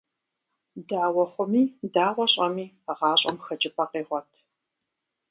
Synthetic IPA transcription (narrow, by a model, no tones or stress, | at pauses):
daːwɔχʷʊmiːdaːʁʷɔɕʼɐmiː | ʁɑːɕʼɐ̰mxɐt͡ʃʼɪpʰɐqeːʁʷɔtʰ